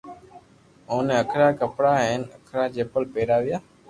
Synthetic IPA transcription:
oːnẽːəkʰɾaːkəpɽaːɦeːnəkʰɾaːd͡ʒeːpəlpeːɾaːʋɪjaː

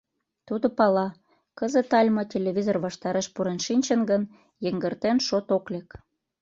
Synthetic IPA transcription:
t̪ud̪opɑlɑ | kəzə̆t̪ɑlʲmotʲelʲevʲizorβɑʃt̪ɑɾeʃpuɾenʃinʲt͡ɕənɡən | jə̆ŋɡərt̪enʃot̪oklek

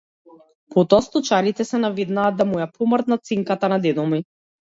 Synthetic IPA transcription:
pʰot̪ɔast̪ɔt͡ʃaɾit̪ɛsɛnaved̪naːd̪amujapʰɔmɾt̪nat̪siŋkat̪anad̪ɛd̪ɔmi

